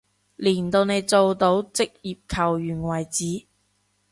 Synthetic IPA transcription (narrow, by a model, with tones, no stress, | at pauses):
liː˨˩nt̪o˧wne˨˧jt͡so˨˧wt̪o˨˥wt͡sɪ˥k̚jiː˨p̚kʰɐ˨˩wjyː˨˩nwɐ˨˩jt͡siː˨˥